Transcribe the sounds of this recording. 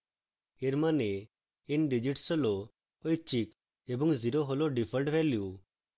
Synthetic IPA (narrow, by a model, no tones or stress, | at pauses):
eɾmane | enɖid͡ʒiʈsɔlo | oit͡ʃik | ebuŋɡziɾoɦɔloɖipʰəlʈʋɛlju